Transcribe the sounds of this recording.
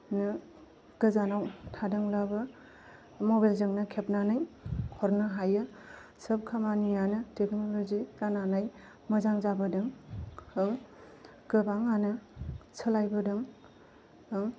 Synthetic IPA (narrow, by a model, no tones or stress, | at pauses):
nɯ | ɡ̥ɯzanawtʰadɯŋlabɯ | mobajlzɯŋnɯkʰep̚nanajkʰɔɾnɯɦajɯsəp̚kʰamanijanɯteknoloziɾananaj | mɐzaŋzabɯdɯŋhɯŋ | kɯbaŋanɯsʰəlajbɯdɯŋ | ɯŋ